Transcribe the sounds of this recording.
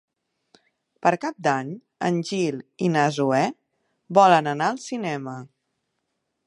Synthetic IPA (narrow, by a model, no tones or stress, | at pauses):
pəɾkap̚d̪aɲ | ə̰nʲʒilinəzuɛ | bɔlənənaəlˠsinɛmə